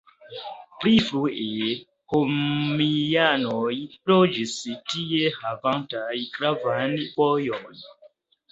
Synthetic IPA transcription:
plifɾue | homianojlod͡ʒistiehavantajkɾavanvojon

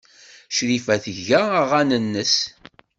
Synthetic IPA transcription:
ʃɾifæθəʝæəʁænənːəs

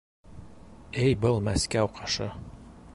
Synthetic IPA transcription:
ɘjbɤlˠmæskæwqʰɑʃɤ

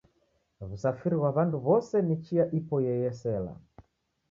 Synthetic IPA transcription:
βusafiɾiɣwaβanduβɔsɛnit͡ʃijaʔipɔjɛjɛsɛla̰

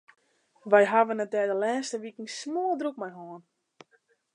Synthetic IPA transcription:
ʋɛjɦaʋənətɛːdəlɛːstəʋikən̩smoːlˠdruk̚mɛjɦoən

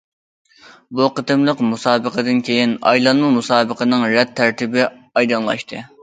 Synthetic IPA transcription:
buqət̪ɨmlˠəqmusɑːbəqʰəd̪ɨnkʲʰejinɑ̰jlˠɑnmɨmusɑːbəqənɨŋɾɛt̪ʰːæɾt̪ʰɪbɪ | ɑjd̪ɑnlˠɑ̰ʃt̪ʰɨ

